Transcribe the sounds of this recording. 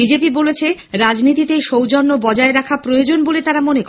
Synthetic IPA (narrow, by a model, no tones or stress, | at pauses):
id͡ʑepibolet͡ɕʰeɾad͡ʑnit̪it̪eʃowd͡ʑɔnːobɔd͡ʑaeɾakʰapɾojod͡ʑonbolet̪aɾamonekɔ